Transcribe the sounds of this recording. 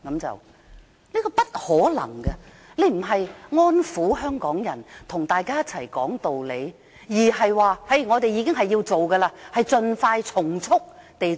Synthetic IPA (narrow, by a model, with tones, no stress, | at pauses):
kɐ˨˥mt͡sɐ̰˨w | ni˥kɔː˧pɐ˥t̚hɔː˨˥lɐ̰˨˩ŋɡɐ˧ | le˨˧jm̩˨˩ɦɐ˨jŋɔː˥nfuː˨˥ɦœː˥ŋkɔː˨˥ŋjɐ˨˩nt̪ʰʊ˨˩ŋt̪aː˨jkaː˥jɐ˥t̚t͡sʰɐ˨˩jkɔ̰ː˨˥ŋt̪o˨wle˨˧j | jiː˨˩ɦɐ˨jwaː˨˧hɐ˨˥jŋɔː˨˧t̪e˨jiː˨˧kɪ˥ŋɦɐ˨jːiː˧wt͡so˨wɡɐ˧laː˧hɐ˨jt͡sɵ˧nfaː˧jt͡sʰʊ˨˩ŋt͡sʰʊ˥k̚t̪e˨j